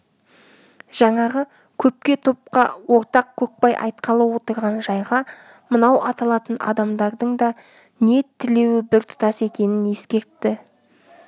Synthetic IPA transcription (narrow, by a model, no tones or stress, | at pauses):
ʒ̥ɑɴɑʁə | kʲʰɵp̚kʲe̞t̪ʰo̞p̚qɑwo̞ɾt̪ɑq̚kʲʰɵk̚pɑjʔɑ̰jt̪̚qʰɑlˠɑwo̞t̪əɾʁɑnʒɑjʁɑ | mənɑwʔɑt̪ɑlˠɑt̪ənɑ̰d̪ɑmd̪ɑɾd̪əɴd̪ɑ | ne̞t̪ʰːɪle̞wɪbɪɾt̪ʰʊ̥t̪ɑse̞kʲe̞nɪne̞skʲe̞ɾt̪ːɪ